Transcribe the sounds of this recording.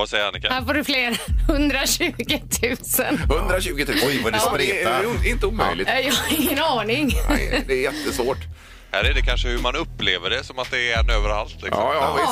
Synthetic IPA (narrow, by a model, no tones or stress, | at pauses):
vasɛjəɾhanɪkhæːɾfoːɖɵfleːɾhɵnd̪ɾaɕʉ̟ːɡɪt̪ʰʉ̟ːsə̰nhɵnd̪ɾaɕʉ̟ːɡɪt̪ʰʉɔjadd̪ɛɪnt̪əuːmœ̰jlɪ̰jɑhaɪŋːənɑːnɪŋd̪ɛɾjɛt̪ːəsvoːʈ | hæ̰ːɾæɖɛkʰanʂəhɵmanɵpːleːvəɖɛsɔmat̪̚d̪ɛɛnːøːvəɾa̰lt̪lɪ̰ksɔ̰